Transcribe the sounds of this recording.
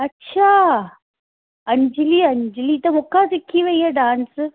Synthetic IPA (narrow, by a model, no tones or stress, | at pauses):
ɐtːɕʰaː | ɐɲd͡ʑɪliɐɲd͡ʑɪliːt̪ɐmʊkʰasɪkʰːiʋɐiɦeɖaːns